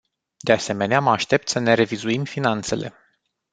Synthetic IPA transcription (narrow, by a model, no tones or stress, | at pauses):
d̪e̞ase̞me̞neaməaʃt̪e̞p̚t̪səne̞ɾe̞vizuimfinant̪se̞̰lʔe̞̰